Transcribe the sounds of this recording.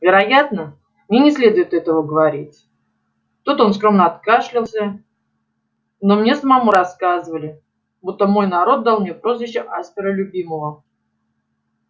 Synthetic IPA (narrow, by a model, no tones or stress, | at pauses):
vʲɪɾɐjat̪nə | mnʲenʲɪsʲlʲe̞d̪ʊjɪt̪ɛt̪əvəɡəvɐɾʲitʲ | t̪ut̪o̞ns̬kɾo̞mnəɐt̪kaʂlʲɪlˠsʲə | nomnʲe̞səmamuɾɐskazɨvəlʲɪ | but̪ːəmo̞jnɐɾo̞t̪̚d̪alˠmnʲepɾo̞zvʲɪɕːɪʔaspʲɪɾəlʲʊbʲiməvə